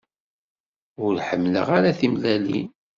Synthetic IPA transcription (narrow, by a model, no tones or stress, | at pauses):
ʊɾħəmːlə̰ʁaɾaθimlælḭ